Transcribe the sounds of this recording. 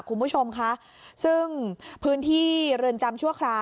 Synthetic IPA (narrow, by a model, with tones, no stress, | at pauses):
kʰu˧nbu˦˥˩t͡ɕʰo˧mkʰa˦˥ʔ | sɯ˥˩ŋpʰɯː˦˥nt̪ʰiː˥˩ɾɯː˧nt͡ɕa˧mt͡ɕʰu˥˩ɐkʰɾaː˧